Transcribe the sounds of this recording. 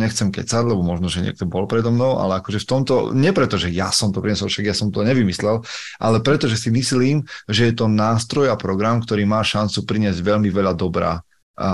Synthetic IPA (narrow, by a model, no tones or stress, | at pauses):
ɲɛxt͡sɛmkɛ̰t͡saɾlɛbɔmɔʒnɔʒɛɲɪɛ̰k̚t̪ɔbɔlpɾɛd̪ɔmnɔʊʔa̰lɛakɔʒɛft̪ɔmt̪ɔ̰ɲɛpɾɛt̪ɔʒɛja̰sɔmt̪ɔpɾiɲɛsɔlfʃaɡjasɔmt̪ɔɲɛʋimislɛl | ʔa̰lɛpɾɛt̪ɔʒɛsimisliːmʒɛjɛt̪ɔnaːst̪ɾɔjapɾɔɡɾamkt̪ɔɾiːmaːʃant͡supɾiɲɪɛzɟʋɛʎmiʋɛʎad̪ɔbɾa̰ː